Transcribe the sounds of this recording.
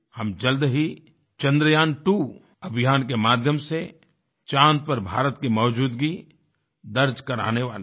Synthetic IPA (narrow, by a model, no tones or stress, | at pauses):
hɐmd͡ʒɐld̪ɦi | t͡ʃɐ̃nd̪ɾəjaːnʈu | ɐbʱɪjaːnk̬emaːd̪ʱjəmse | t͡ʃãːnd̪̚pəɾbʱa̰ːɾət̪kemɐːʊd͡ʒuːd̪ɡi | d̪ɐɾd͡ʒkɐɾa̰ːneʋa̰ːle